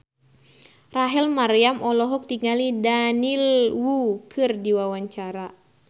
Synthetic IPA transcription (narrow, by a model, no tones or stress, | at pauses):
raɦɛlmarijamɔlɔɦɔk̚t̪iŋalidanilwukʰɨrdiwawaɲt͡ʃaɾa